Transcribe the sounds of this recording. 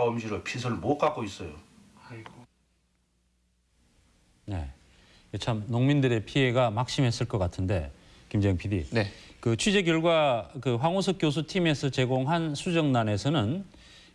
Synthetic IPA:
ʌmd͡ʑiɾɯpʰisʰɯɭmok͈ak͈ois͈ʌjo | ne̞̰ | jʌt͡ɕʰamnoŋmindɯɾe̞pʰie̞ɡamak̚ɕ͈imɦe̞s͈ɯɭk͈ʌk͈atʰɯnde̞̰ | kimd͡ʑeɯŋpʰidḭnkɯt͡ɕʰwid͡ʑe̞ɡjʌɭɡwakɯɸwaŋosʰʌk͈jos̬ʰutʰime̞s͈ʰɯt͡ɕe̞ɡoŋɦansʰud͡ʑʌŋnane̞sʰʌnɯn

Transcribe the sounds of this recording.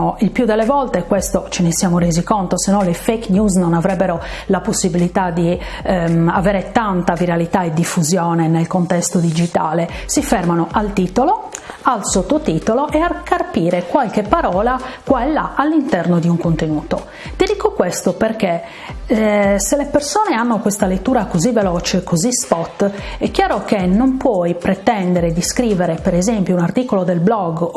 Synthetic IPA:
oilpjud̪ɛlːevɔlt̪ekwest̪ot͡ʃenesjaːmorezikont̪osenːɔ̃nlefejknjuznonavɾɛbːeɾo | laposːibilit̪ad̪i | avɛːɾet̪ant̪aviɾalit̪aɛd̪ːifːuzjɔːnɛnelkont̪ɛst̪od̪id͡ʒit̪aːlesifɛrmanoʔalt̪iːt̪oloalsot̪ːot̪it̪oloʔɛakarpiːɾekwalk̟epːaɾɔːlakwɛlːaʔalːint̪ɛrnod̪iuŋkont̪enuːt̪o | t̪id̪iːkokwest̪operke | selepersɔːneanːokwest̪alet̪ːuːɾakozivːelɔːt͡ʃekʰːozispɔt̪ːɛkjaːɾok̟enːompwɔjpɾet̪ɛnd̪eɾed̪iskɾiːveɾepeɾɛzempjounart̪iːkolod̪elblɔɡ

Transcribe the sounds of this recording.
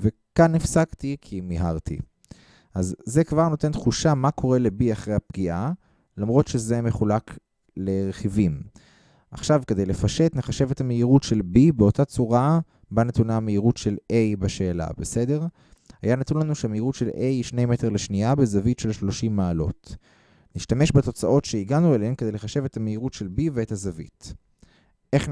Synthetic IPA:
ve | kanːifsaktikʰimiɦaʁtḭ | ʔazːe̞kvaʁno̞te̞ntχuʃamakʰo̞ʁe̞le̞biaχʁejhapɡiʔa | lamʁo̞tʃe̞ze̞me̞χulak | le̞ʁeχivim | ʔaχʃavkede̞jle̞faʃe̞tneχaʃe̞vetameiʁutʃe̞lbibeotat͡suʁa | banatunameiʁutʃe̞lʔe̞jbaʃe̞ːla̰bese̞de̞ʁ | hajanatunlanuʃeameiʁutʃe̞lʔejiʃne̞jmeteʁleʃniabezavitʃe̞lʃlo̞ʃimːaːlo̞̰t | niʃtameʃbato̞t͡saʔo̞tʃe̞iɡanuelahemkedejleχaʃe̞vetameiʁutʃelbiveːthazavḭt | ʔe̞χ

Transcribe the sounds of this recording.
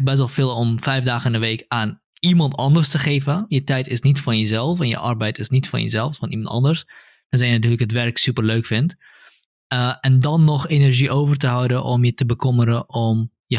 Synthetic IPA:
bɛs̬ɔlˠfɪːlˠɔmfɛjfdaːχənəʋeːkaːn | imɑntɑndərstəχeːvəjətɛjtɪsnitfɑnjəzɛlˠfɛnjə̰ʔɑrbɛjtɪsnitfɑ̰njə̰zɛlˠffɑnḭmɑntɑ̰ndərs | d̥ɔnzɛjənat̬yːrləkɦətʋɛrksypərløːkfɪnt | ɛndɑnːɔxenəɹʒiʔoːvərtəɦɔwdəʔɔmjətəbəkɔməɾəʔɔm | jə

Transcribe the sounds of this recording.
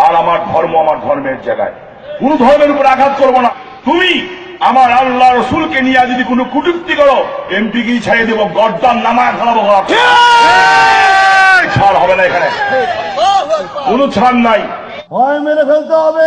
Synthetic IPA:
aɾamaɾd̪ʱɔɾmoamaɾd̪ʱɔɾmeɾd͡ʒaɡa̰e | kunod̪ʱɔɾmeɾupɔɾeaɡʱat̪̚koɾbona | t̪umi | amaɾalːaɾɔsulkenijad̪id̪ikunokuʈukt̪ikɔɽoempikejt͡ʃʰajed̪eboɡɔɾd̪anːamakʰalabok̪ɔɾa | t͡ʃʰaɾɦɔbenaekʰane | konut͡ʃʰɾanːaj | bʱɔemeɾepʰelt̪eɦɔbe

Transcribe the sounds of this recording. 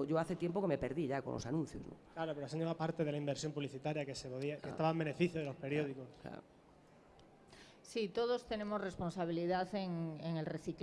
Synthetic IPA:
ʝoaθet̪jempokeme̞pe̞ɾðiʎakõ̰lʔosanũn̟θjoznõ̰klaɾopeɾoasinemapaɾt̪eðelaimbeɾsjo̞mpuβliθit̪aɾjakesepoðiakkest̪aβambenefiθjoðelo̞speɾjoðikoskla̰o | sit̪oðost̪e̞ne̞mosre̞sponsaβ̞iliðaθeŋeŋelreθik

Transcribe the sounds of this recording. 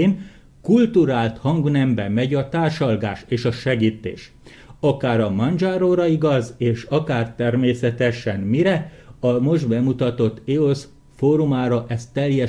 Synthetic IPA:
n | kult̪uɾaːlt̪hɒŋɡunɛmbɛmɛɟɒt̪aːrʃɒlɡaːʃeːʃɒʃɛɡiːt̪ːḛːʃ | ɒkaːɾɒmɒnd͡ʒaːɾoːɾɒiɡɒzeːʃɒkaːrt̪ɛrmeːsɛt̪ɛʃɛnmiɾɛ | ɒmo̞ʒbɛmut̪ɒt̪o̞t̪ːeos | foːɾumaːɾɒʔɛst̪ːɛljɛ

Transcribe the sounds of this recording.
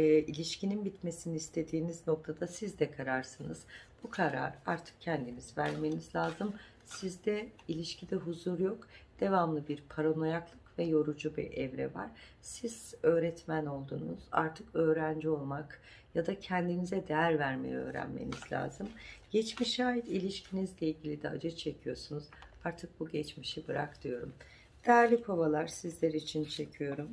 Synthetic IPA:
ilʲiʃcininbit̪me̞siniːst̪ʰe̞d̪iːnizno̞k̚t̪ʰad̪asizd̪ɛkʰaɾaɾsɯnɯz̥b̥ukʰaɾa̰ɾaɾt̪ʰɯ̥k̚cʰɛnd̪inizvæɾme̞nizlʲaːzɯm | sizd̪ɛilʲiʃcʰid̪ɛɦuzuɾjo̞kd̪̥e̞vamlˠɯbiɾpʰaɾono̞jaklˠɯkvɛjo̞ɾud͡ʒubḭɾɛvɾɛ̰va̰ɾ̥ | siz̥ø̞ːɾɛt̪mæno̞lˠd̪uːnuz̥a̰ɾt̪ʰɯkø̞ːɾænd͡ʒio̞lˠmak | jad̪acʰɛnd̪inizɛd̪ejæɾvæɾme̞̰jɛø̞̰ːɾæ̰nmḛnizlʲa̰ːzɯmɟ̥ɛt͡ʃmiʃaːjid̪ilʲiʃcʰinizlʲeilʲɟʲilʲid̪ɛa̰d͡ʒɯt͡ʃʰe̞cʰijo̞sunuz̥ | aɾt̪ʰɯk̚buɟɛt͡ʃmiʃibɯɾakt̪ʰɯjo̞ɾum | d̪̥ɛæɾlʲipʰovalˠaɾsizlʲeɾit͡ʃʰint͡ʃʰe̞cʰijo̞ɾum

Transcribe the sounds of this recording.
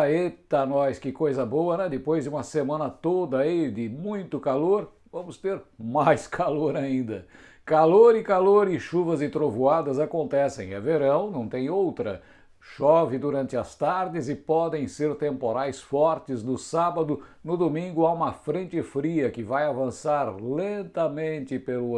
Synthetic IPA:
aet̪ɐnɔjskɪkojzɐbowɐnɛ̃d̪ɪpojzd͡ʒɪũmɐsemɐ̃nɐt̪od̪ɐid̪ɪmũj̃t̪ʊkaloɾ | vɐ̃mʊst̪eɾmajskʰaloɾaĩnd̪ɐ | kaloɾɪkaloɾɪʃuvɐzɪt̪ɾovuad̪ɐzakõnt̪ɛsḛ̃j̃ɛ̰veɾɐ̃w̃nɐ̃w̃t̪ẽj̃owt̪ɾɐ | ʃɔvɪd̪uɾɐ̃nt͡ʃɪɐst̪aɾd͡ʒɪzɪpɔd̪ẽj̃seɾt̪ẽmpoɾajsfɔɾt͡ʃɪznʊsabɐd̪ʊnʊd̪omĩŋɡʊaũmɐfɾẽnt͡ʃɪfɾiɐkɪvajavɐ̃saɾlẽnt̪ɐmẽnt͡ʃ̪ɪpelʊ

